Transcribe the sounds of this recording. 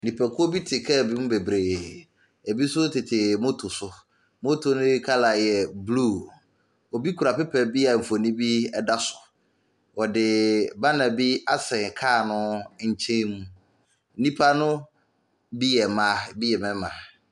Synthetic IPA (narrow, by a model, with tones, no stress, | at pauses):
nĩ˨pʰɛ˨kʰʊ˦ɔ˦bi˦tʰɪ˨kʰɛ˦˨bi˦mũ˦be˨bɾeː˨ | ɛ˨bi˦sʊ˦tʰɪ˨tʰɪ˨mo˦tʰʊ˨sʊ˨ | mo˦tʰo˨nʊ̃˦kʰa˦la˨jɛ˨blu˦˨ | ɔ˨bi˦kʰu˨ɾa˨pɪ˦pʰɛ˨bi˦a˨m̩˨fo˨nĩ˦bi˦ɛ˦da˦sʊ̥˨ | wɔ˨dɪ˨ba˦nã˨bi˦a˦sɛ̃˨kʰaː˦˨nʊ̃˦ɲ̩˨t͡ɕʰɛ̃˦mũ˦ | nĩ˦pʰa˦nʊ̃˦ | bi˦jɛ˨mã˨˦bi˦jɛ˨mɛ̃˦mã˨